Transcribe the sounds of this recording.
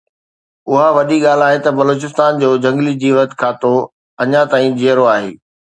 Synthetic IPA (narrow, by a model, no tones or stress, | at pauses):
ʊɦaʋɐɗiɠaːl̤aːɦet̪ɐbɐloːt͡ɕɪst̪aːnd͡ʑoːd͡ʑɐ̃ŋɡlid͡ʑiːʋət̪kʰaːt̪o | ɐɲat̪aːĩd͡ʑeːɾoaːɦḛː